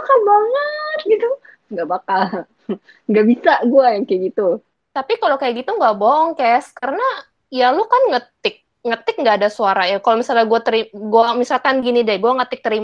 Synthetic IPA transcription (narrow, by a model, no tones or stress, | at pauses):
bakalbaŋət̪̚ɡit̪u | ŋɡaʔbakal | ŋɡaʔbisaɡuajaŋkajaɡit̪u | t̪apikalokajaɡit̪uŋɡaʔboɔŋkɛskaɾəna | jalʊkanŋət̪ɪk̚ | ŋət̪ɪk̚ŋɡaːdasuaɾajakalomisalɲaɡuat̪əɾiɡuamisalkanɡinidɛɡuaŋət̪ɪk̚t̪əɾim